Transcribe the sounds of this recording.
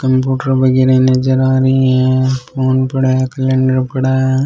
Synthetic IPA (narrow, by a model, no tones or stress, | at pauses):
kɐmpjuːʈəɾbɐɡeːɾẽnɐd͡ʒɐɾaːɾiɦɛ̃pʰoːnpɐɽaːakɐlẽɳɖəɾpɐɽaːa